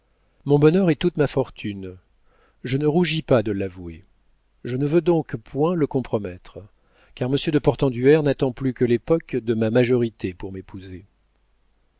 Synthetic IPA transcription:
mɔ̃bɔnœʁɛt̪ut̪mafɔʁt̪ʰyn | ʒənəʁuʒipad̪əlavue | ʒənəvød̪ɔ̃kpwɛ̃ləkɔ̃pχɔmɛt̪χ | kaʁməsjød̪əpɔʁt̪ɑ̃d̪yɛʁnat̪ɑ̃plykəlepɔkd̪əmamaʒɔʁit̪epuʁmepuze

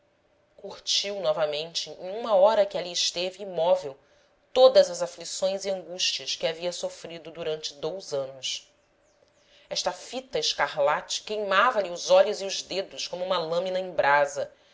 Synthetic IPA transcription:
kuht͡ʃiwnɔvɐmẽnt͡ʃɪẽj̃ũmɐɔɾɐkɪaliɪʃt̪evɪːmɔvew | t̪od̪ɐzɐzaflisõj̃ziɐ̃ŋɡuʃt͡ʃiɐskɪaviɐsofɾid̪ʊd̪uɾɐ̃nt͡ʃɪ̥d̪owzɐ̃nʊs | ɛʃt̪ɐfit̪ɐɪʃkaɾlat͡ʃɪ̥kejmavɐlɪʊzɔʎʊziʊzd̪ed̪ʊskõmʊũmɐlɐ̃mĩnɐẽbɾazɐ

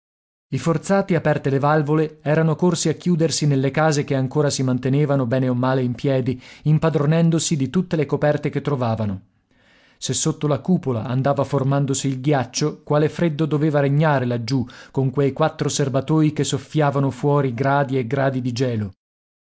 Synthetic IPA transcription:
ifort̪saːt̪iapɛrt̪elevalvoleɛːɾanokorsiakjuːd̪ersinelːekaːzekeaŋkoːɾasimant̪eneːvanobɛːneomːaːleimpjɛːd̪iimpad̪ɾonɛnd̪osid̪it̪ut̪ːelekopɛrt̪eket̪ːɾovaːvano | sesːot̪ːolakuːpola̰a̰nd̪aːvaformand̪osiːlɡjat͡ʃːokwaːlefɾed̪ːod̪oveːvaɾeɲːaːɾelad͡ʒːukoŋkwejkwat̪ːɾoserbat̪oːikesːofːjaːvanofwɔːɾiɡɾaːd̪ieɡɾaːd̪id̪id͡ʒɛːlo

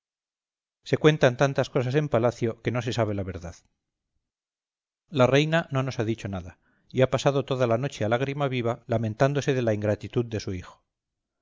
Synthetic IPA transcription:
se̞kwe̞nt̪ant̪ant̪asko̞s̬ase̞mpalaθjo̞ke̞nose̞saβ̞e̞laβ̞e̞ɾðað | lare̞jnano̞no̞saðit͡ʃo̞naða | iapasaðo̞t̪o̞ðalano̞t͡ʃe̞alaɣɾimaβiβalamẽ̞nt̪and̪o̞se̞ðelaiŋɡɾat̪it̪uðd̪e̞suixo̞̥

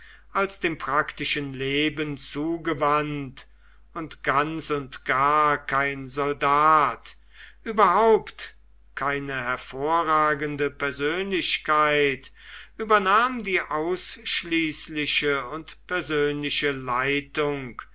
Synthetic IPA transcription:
ʔalsd̥eːmpʁ̥aktɪʃənleːbənt͡suːɡəvant | ʊntɡ̥ansʊntɡ̥aːɐɐkʰaɪnzɔldaːt | ʔyːbɐɦaʊpt | kʰaɪnəhɛɐfoːɐʁaːɡəndəpɛɐzøːnlɪʃkaɪtʔyːbɐnaːmdiːʔaʊsʃliːslɪʃəʊntpɛɐzøːnlɪʃəlaɪtʊŋk

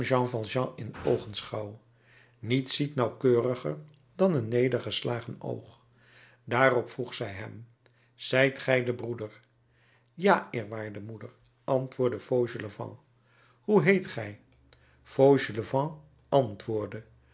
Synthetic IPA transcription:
ʒɑ̃vɑlˠʒɑ̃ɪno̰wχənsχɑw | nitsitnɑwkøːrəχəɹ | dɑnənːejdəɹχəslaːχəno̰wχ | daːrɔpfruχsɛjɦɛ̰m | z̥ɛjtχɛjdəbrudəɹ | jaːɪːɹʋaːɹdəmudəɹ | ʔɑntʋʊːɹdəfowʒələvɑ̰̃ | huɦejtχɛj | v̥owʒələvɑ̃ | ʔɑntʋʊːɹdə

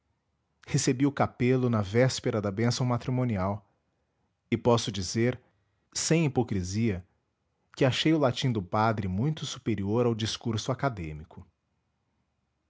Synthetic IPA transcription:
hesebiʊkapelʊnɐvɛspeɾɐd̪ɐbẽsɐ̃w̃mat̪ɾimõniaw | ɪpɔsʊd͡ʒizeɾ | sẽj̃ipokɾiziɐ | kɪaʃejʊlat͡ʃĩd̪ʊpad̪ɾɪmũj̃t̪ʊsu̥peɾioɾawd͡ʒiskuɾsʊakad̪ẽmikʊ

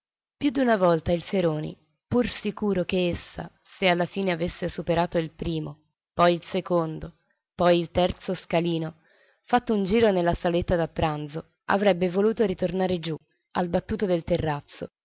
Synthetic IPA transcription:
pjud̪ːunavɔlt̪ailfeɾoːnḭ | pursikuːɾokeesːa̰ | sealːafiːneavesːesupeɾaːt̪oilpɾiːmo | pɔjilsekond̪o | pɔjilt̪ɛrt̪soskaliːno | fat̪ːound͡ʒiːɾonelːasalet̪ːad̪apːɾand̪zo | a̰vɾɛbːevoluːt̪oɾit̪ornaːɾed͡ʒu | albat̪ːuːt̪od̪elt̪erːat̪sːo̰

